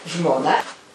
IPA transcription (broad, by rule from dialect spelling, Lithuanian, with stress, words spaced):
ʒmoːˈnɐ